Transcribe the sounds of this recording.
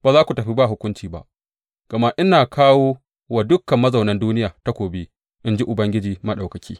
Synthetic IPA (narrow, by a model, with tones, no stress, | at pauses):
baː˨zaː˦kʷu˨tɐ˨ɸi˦ba˦˨ɦʊ˦kʷʊ˦nt͡ʃiː˨ba̰˨ʔ | ɡ̥ɐ˨ma˦ʔɪ˦naː˨kʰaː˦woː˦ | wa˨dʊ˦kːɐ˨mːɐ˦zɐ˨wnɐ˦nduː˦nɪ˦jaː˨ta˦kʷoː˨beː˦ | ʔɪ˦nd͡ʒi˦ʔʊ˨bɐ˦ŋɡʲɪ˦d͡ʒiː˨mɐ˦ɗa˨wkɐ˨kʲiː˦